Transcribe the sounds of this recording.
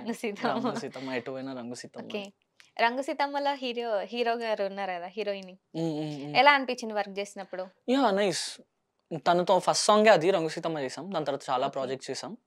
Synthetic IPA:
ɾɐŋɡusit̪ɐɐmɡsit̪ɐmːɐjʈuʋɐjnaɾɐŋɡusit̪ɐoːmːkeː | ɾɐŋɡusit̪ɐmːɐloɦiːɾoɦiːɾoːɡaɾuunːaːɾkɐd̪aːɦiːɾoːiniŋː | ɛlaːɐnpit͡ʃːind̪iʋɐɾk̚t͡ʃeːsinɐpːuɽujaːnɐjs | t̪ɐnɐt̪oːpʰɐsʈsɔːŋɡaɐd̪iɾɐŋɡusiːt̪ɐmːat͡ʃɛːsaːmd̪aːnt̪ɐɾat̪ɐt͡ʃaːlaːpɾaːd͡ʒek̚ʈt͡ʃɛːsaːm

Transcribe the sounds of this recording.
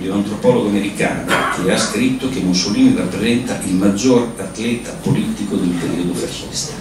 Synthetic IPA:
lioant̪ɾopɔloɡoameɾikaːno̰k̟easkɾit̪ːok̟emːusːoliːnirapːɾezɛnt̪aʔilmad͡ʒːorat̪lɛːt̪apoliːt̪ikod̪elpeɾḭod̪operːɛ̰st̪e

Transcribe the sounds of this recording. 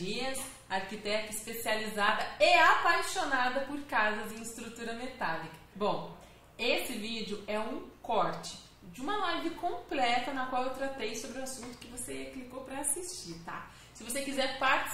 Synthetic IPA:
iɐs | aɾkit̪ɛt̪ɐispesializad̪ɐeapajʃonad̪ɐpoɾkazɐzẽɪst̪ɾut̪uɾɐmet̪alikɐ̥bõw̃ | esɪvid͡ʒʊɛũkɔɾt͡ʃɪ̥ | d͡ʒɪũmɐlajvɪkõplɛt̪ɐnɐkwawewt̪ɾat̪ejsobɾɪʊasũnt̪ʊ̥kɪvoseklikowpɾɐasist͡ʃiɾt̪a̰ | sɪvosekizɛɾpaɾt͡ʃ

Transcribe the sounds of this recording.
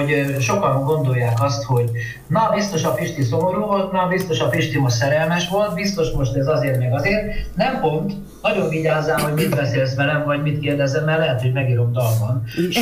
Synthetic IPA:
ʃo̞kɒŋɡo̞nd̪o̞jːaːkɒst̪ho̞ɟ | nɒbist̪o̞ʃɒfiʃt̪iso̞mo̞ɾuːvolt̪nɒbist̪o̞ʃɒfiʃt̪imoʃsɛɾɛlmɛʃʋo̞lt̪̚bist̪o̞ʃmo̞ʃt̪ɛzɒzeːrmeɡɒzeːrnɛmpo̞nt̪ | nɒɟo̞ɱviɟaːzːaːmɦo̞ɟmit̪bɛseːlsʋɛlɛmvɒɟmit̪keːrd̪ɛzɛmːɛrlɛɦɛt̪ho̞ɟmɛɡiːɾo̞md̪ɒlbɒnʃ

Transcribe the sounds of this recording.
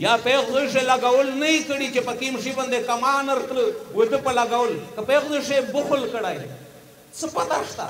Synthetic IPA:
japeɣziʂ̬elaɡawəlnajikəɽit͡ʃepəkimʂiband̪ekamanaɾt̪ləwed̪əpalaɡawəlkapeɣziʂebʊxʊlkəɽaj | t͡səpat̪aʂt̪a̰

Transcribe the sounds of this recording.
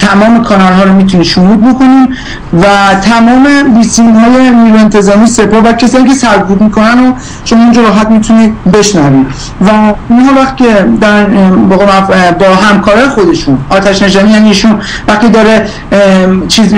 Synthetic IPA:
t̪ʰæmɒːme̞kʰɒnɒlɦɒːɾomiːt̪ʰuniːʃumuːd̪̚bo̞kʰo̞niːm | væt̪ʰæmɒːme̞biːsimɦɒːje̞niːɾue̞nt̪ʰe̞zɒːmiːse̞pɒːhvæcʰesɒːniːcʰe̞sæɾd̚buːd̪miːkʰo̞næno | ʃomɒːind͡ʒɒɾɒːɦæt̪miːt̪ʰuniːd̪be̞ʃnɒːviːd̪ | væinɦɒːvæxt̪icʰed̪ɒɾænbɒːɣemæbɒːɦæmkʰɒːɾɒːjexo̞d̪e̞ʃunɒːt̪ʰæʃnæd͡ʒæɾiːæniːʃun | væxt̪id̪ɒːɾe | t͡ʃʰiːz

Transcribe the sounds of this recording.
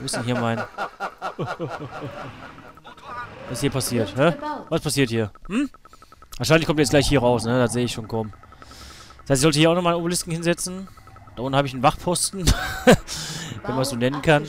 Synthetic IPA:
ɪstnhɦiːɐmaɪn | vasɪshiɐpʰasiːɐthɛvaspʰasiːɐthiːɐhm̩ | vaɐʃaɪnlɪçkʰɔmtjɛt͡s̚sɡ̥laɪçhiːɐʁaʊsnədatz̥eːəɪçʃoːnkʰɔʊm | dsaɪstɪçzɔltəhiːɐʊnɔχmaːnobulɪskn̩hɪnzɛt͡sn̩ | d̥aːʔʊndn̩haːbəɪçnvaχpʰɔstn̩ | vɛnmanszoːnɛnənkʰan

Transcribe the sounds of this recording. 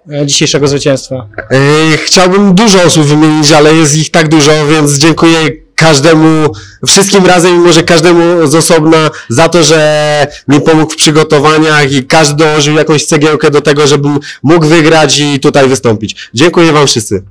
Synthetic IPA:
d͡ʑiɕejʂɛɡɔzvɘt͡ɕɛ̃w̃st̪fa | xt͡ɕawbɘmd̪uʐɔɔsubvɘmʲjeɲit͡ɕalɛjɛst̪ixt̪aɡd̪uʐɔvʲjɛnt̪s̬d͡ʑɛŋkujɛ | kaʐd̪ɛmufʂɘst̪kʲimɾazɛmimɔʐɛkaʐd̪ɛmuzɔsɔbnazat̪ɔʐɛmʲipɔmukfpʂɘɡɔt̪ɔvaɲaxikaʐd̪ɘd̪ɔwɔʐɘwjakɔ̃w̃ɕt̪sɛɡʲjɛwkɛd̪ɔt̪ɛɡɔʐɛbɘmːuɡvɘɡɾat͡ɕit̪ut̪ajvɘst̪ɔmpʲit͡ɕd͡ʑɛŋkujɛvamfʂɘst̪sɘ

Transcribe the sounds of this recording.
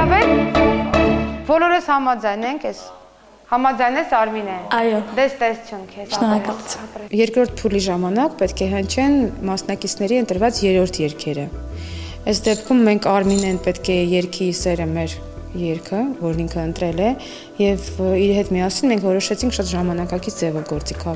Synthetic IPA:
ɑvɛɾ | bɔlɔɾəshɑmɑd͡zɑjnɛŋkʰɛs | hɑmɑd͡zɑjnɛsʰɑɾminɛɑjɔd̪ɛst̪ɛsu̥t͡sʰjunkʰɛt͡ʃʰənɔjɑkɑjɛɾkɾɔɾt̪̚ʰpʰuliʒɑmɑnɑkpɛt̪kʰɛɦənt͡ʃʰɛnmɑsnɑkit͡sʰn̪ɛɾiənt̪əɾvɑt͡sjɛɾɔɾt̪ʰjɛɾkʰɛɾə | ɛsd̪ɛpkʰumːɛŋkʰɑɾminɛnpɛt̪kʰɛjɛɾkʰisɛɾəmɛɾ | jɛɾkʰəvɔɾniŋkʰəənt̪ɾɛlɛ | jɛviɾhɛt̪miɑsinmɛŋkʰvɔɾɔʃɛt͡sʰiŋkʰʃɑt̪ʒɑmɑnɑkɑkit͡sʰd͡zɛvɔɡɔɾt͡sikʰɑ

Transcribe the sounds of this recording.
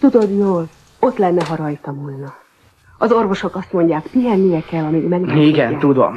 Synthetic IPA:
t̪ud̪o̞d̪joːl | o̞t̪lɛnːɛɦɒɾɒjt̪ɒmulnɒ | ɒzo̞rvo̞ʃo̞kɒst̪mo̞ɲɟaːkpijɛnːijɛkɛlɒmiɡmɛɡiɡɛnt̪ud̪o̰m

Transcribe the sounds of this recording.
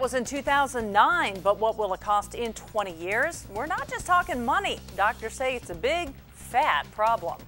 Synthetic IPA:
t̚wʌzɨ̃ntʰʉθaʊzə̃nnãɪ̃nbʌt̚wʌt̚wəlˠəkʰɔstɪ̃ntʰw̥ɛ̃ɾ̃ijɪɹz̥wɪɹnət̚d̥ʒ̥ʌstʰɔkɪ̃ŋmʌnidɑk̚tə˞seɪɨtsɨbɪɡ̚ | fæt̚pʰɹ̥ɑblə̰̃m

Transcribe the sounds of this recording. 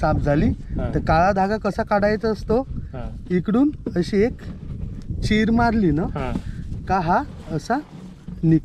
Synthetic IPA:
sap̚d͡zʱaliːt̪əɾkaɭad̪ʱaɡakəsakaɽajt͡səst̪o | ikɽuːnəɕiek | t͡ɕiɾmaɾliːnə | kaɦaəsa | nik

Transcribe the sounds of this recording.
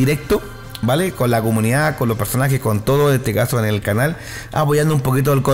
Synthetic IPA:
iɾek̚t̪o | balekonlakomũniðakonlope̞ɾsonaxesko̞nt̪oðoent̪ekasoenelkanal | a̰poʝand̪oumpo̞kit̪̬oelko

